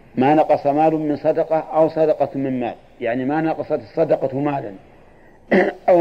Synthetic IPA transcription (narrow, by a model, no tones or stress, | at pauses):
maːnɑqɑsˤɑmaːlʊmɪnsˤɑd̪ɑqɑʔawsˤɑd̪ɑqɑt̪mɪnmaːl | jaʕnimanɑqɑsˤɑt̪ɨsˤːɑd̪ɑqɑmaːlan | ʔa